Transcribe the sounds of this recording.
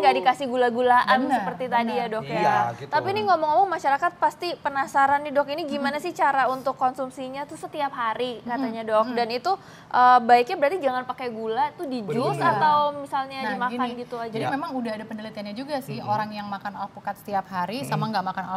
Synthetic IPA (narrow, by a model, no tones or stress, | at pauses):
ŋɡadikasɪhɡulaɡulaʔansəpərt̪it̪adijadɔkjat̪apiniŋomɔŋomɔŋmaʃaɾakat̪̚past̪ipənasaɾanːidɔkiniɡimanasɪht͡ʃaɾaunt̪ʊkːonsumsiɲat̪usət̪iap̚ɦaɾikat̪aɲadɔk̚danit̪u | ʔəbaɪkɲabəɾat̪id͡ʒaŋanpakajɡulat̪udid͡ʒʊsat̪awmisalɲaimakanɡit̪uad͡ʒadimemaŋudaɦadapənəlit̪ianɲad͡ʒuɡasɪhoɾaŋjaŋmakanalahpəkat̪sə̥t̪iap̚haɾisamaŋɡaʔmakanala